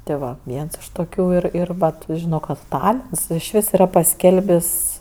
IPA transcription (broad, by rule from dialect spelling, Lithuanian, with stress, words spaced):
tʲeː ˈʋɐ ˈʋʲiɛns ɪʃ toːˈkʲuː ˈɪr ˈɪr ˈʋɐt ˈʒʲɪnoː ˈkɐt ˈtɑːlʲɪns ɪʃʲˈʋʲɪs iːˈrɐ pɐˈsʲkʲɛlʲbʲɪsʲ